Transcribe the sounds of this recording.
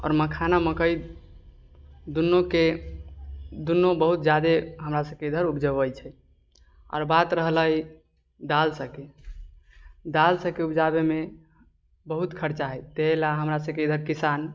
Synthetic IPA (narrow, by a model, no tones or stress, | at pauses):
ɔ̰ːɾməkʰanaməkəj | d̪unːoke | d̪unːobəɦut̪̚d͡ʒad̪eɦəmɾasəbkeid̪ʱəɾupʰd͡ʒəbəjt͡ʃʰɛ | ɔ̰ːɾbat̪ɾəɦləj | d̪alsə̃ke | d̪alsə̃keupd͡ʒabeme | bəɦut̪kʰəɾt͡ʃaɦɛt̪eɦlaɦəmɾasəbkeid̪ʱəɾkisan